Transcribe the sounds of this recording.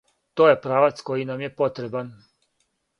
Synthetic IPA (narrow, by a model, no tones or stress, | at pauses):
t̪oːje̞pɾaːʋat̪sko̞jinamje̞po̞t̪ɾe̞ban